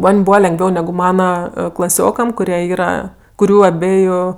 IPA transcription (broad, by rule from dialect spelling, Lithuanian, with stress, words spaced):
ˈmɐnʲ ˈbuːʋɐ lʲɛŋɡˈʋʲɛʊ ˈnʲæːɡʊ ˈmɑːnɐ klˠɐˈsʲoːkɐm kʊˈrʲiɛ ˈiːrɐ kʊˈrʲuː ɐˈbʲæːjʊ